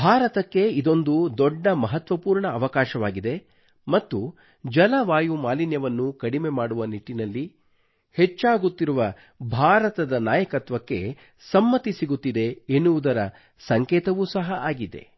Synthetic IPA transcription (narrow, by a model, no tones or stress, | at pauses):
bʱaːɾɐt̪ɐkːe̞id̪o̞nd̪ud̪ɔɖːɐmɐɦɐt̪ʋɐpuːɾɳɐːʋɐkaːʃɐʋaːɡid̪e̞ | mɐt̪ːu | d͡ʒɐlɐʋaːjumaːlinjɐʋɐnːukɐɽime̞maːɽuʋɐniʈːinɐlːi | het͡ʃːaːɡut̪ːiɾuʋɐ | bʱaːɾɐt̪ɐd̪ɐnaːjɐkɐt̪ʋɐkːe̞̰ | sɐmːɐt̪isiɡut̪ːid̪e̞enːuʋud̪ɐɾɐ | sɐŋkɛːt̪ɐʋusɐɦɐʔaːɡid̪e̞̰